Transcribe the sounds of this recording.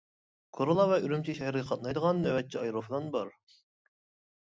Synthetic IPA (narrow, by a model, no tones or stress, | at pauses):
kʰoɾolˠɑvɛyɾymt͡ʃʰiʃɛhɾəqʰɑt̪̚nɑjd̪əʁɑnːɛwɛt̪̚t͡ʃʰːiɑjɾofd̪ɑnbɑɾ